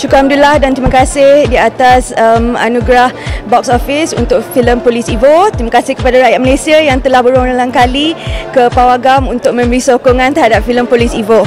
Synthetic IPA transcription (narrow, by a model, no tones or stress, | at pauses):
ʃukam̚dulahdant̪ɾimãkasɪhdiat̪asəma̰nũɡɾahbɔksɔfisṵnt̪ʊk̚filəmpolisivot̪ɾimakasɪhkəpadaɾajaʔ̪̚məlesiajaŋt̪əlahbəɾonalaŋkalikəpawaɡamunt̪ʊk̚mɛ̃mɾisokoŋãnt̪əɾɦadap̚filəmpolisivo